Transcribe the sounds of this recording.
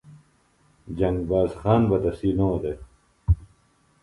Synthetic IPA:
d͡ʑɐŋɡbaːzxaːnbɐt̪ɐsiːnoːd̪e

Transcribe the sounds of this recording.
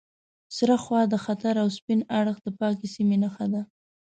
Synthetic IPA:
sɾaxwɑd̪əxat̪aɾawspɪnaɽəxd̪əpɑkesimenaxad̪a

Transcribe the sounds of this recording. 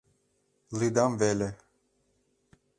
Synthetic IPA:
lid̪amvɛlɛ

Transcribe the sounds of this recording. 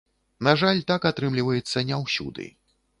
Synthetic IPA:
naʐalʲt̪akat̪ɾɨmlʲivɐjɛt̪sːɐnʲɛwsʲṵd̪ɨ̰

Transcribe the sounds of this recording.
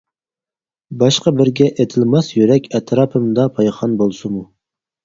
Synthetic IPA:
bɑʃqɑbɪɾɡʲɛʔet̪ʰɪlmɑsjyɾɛkʲɛt̪ʰɾɑːpʰɨmd̪ɑpʰɑjχɑnbolˠsumu

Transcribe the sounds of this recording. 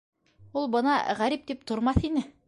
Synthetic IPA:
ulˠbɤ̆nɑ̰ʁæɾip̚t̪ip̚t̪ŏɾmɑθinɘ

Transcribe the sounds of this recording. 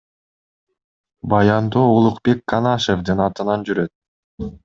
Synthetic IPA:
bɑjɑnd̪oːolˠuqbe̞kkːɑnɑʃevd̪ɯnɑt̪ɯnɑnd͡ʒyɾø̞t̪̚

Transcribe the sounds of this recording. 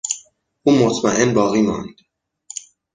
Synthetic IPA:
ʔuːmot̪ʰmæʔenbɒːɣiːmɒ̰ːnd̪̥

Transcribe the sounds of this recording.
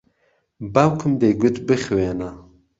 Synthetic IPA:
bawkʰɨmd̪eɡut̪bɨxwena

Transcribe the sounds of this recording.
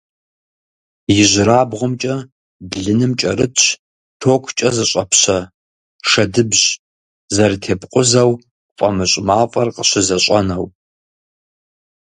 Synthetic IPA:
jɪʑʷɪɾaːbʁʷʊmt͡ʃʼɐ | bɮɨnɨmt͡ʃʼɐɾɨtʰɕ | tʰoːkʷʰt͡ʃʼɐzɨɕʼɐpʰɕɐ | ʂɐdɨbʑ | zɐrtʰeːpqʷʼʊzɐw | fʼɐmɨɕʼmaːfʼɐrqəɕɪzɐɕʷʼɐnɐw

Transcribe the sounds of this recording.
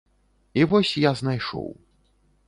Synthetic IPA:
ivɔsʲjaznajʂɔ̰w

